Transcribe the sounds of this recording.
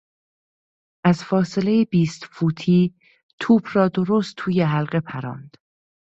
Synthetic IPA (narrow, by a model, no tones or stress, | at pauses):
ʔæzfɒːse̞le̞jebiːst̪fuːt̪ʰiː | t̪ʰuːbʰrɒːd̪o̞ɾost̪ʰuːjeɦælɢe̞pʰæɾɒ̰ːnd̪̥